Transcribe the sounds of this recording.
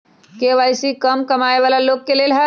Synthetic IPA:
keʋajsikəmkəmaeʋalaloɡkelelɦə

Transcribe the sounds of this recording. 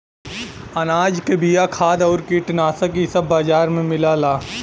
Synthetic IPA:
ɐnaːd͡ʒkebijakʰaːd̪ɔːɾkiːʈnaːsəkisɐbːaːd͡ʒaːɾmẽmɪlaːlaː

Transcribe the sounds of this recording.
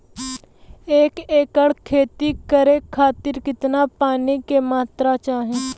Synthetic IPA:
eːkeːkəɽkʰeːt̪ikəɾekʰaːt̪ɪɾkɪt̪napaːnikemaːt̪ɾat͡ʃaːɦẽː

